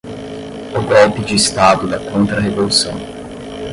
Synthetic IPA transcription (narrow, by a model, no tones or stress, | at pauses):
ʊɡɔlpɪd͡ʒiːst̪ad̪ʊd̪ɐkõnt̪ɾɐɦevolusɐ̰̃w̃